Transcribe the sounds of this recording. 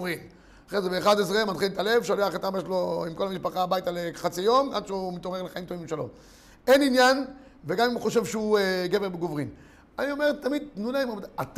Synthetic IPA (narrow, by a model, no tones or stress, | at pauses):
ʁin | aχezebeːχad̪ezʁemad̪χilt̪ale̞vʃoleaχat̪ameʃlo̞imko̞lhamiʃpaχaːbajt̪aleχat͡sijo̞ma̰d̪ʃeumit̪omeʁleχaimt̪ovimbʃelo̞̰m | eninjan | veɡamimχo̞ʃ̬e̞vʃeueɡeveʁbeɡovʁin | anio̞meʁt̪ːamid̪̚tnulaimaat̪